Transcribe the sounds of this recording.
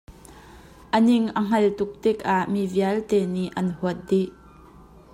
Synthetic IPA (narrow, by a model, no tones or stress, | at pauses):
ʔənɪŋʔəŋ̥ɐlt̪ʊk̚t̪ɪk̚ʔaʔmiviɐlt̪ɛːniʔʔɐnhuət̪̚diʔ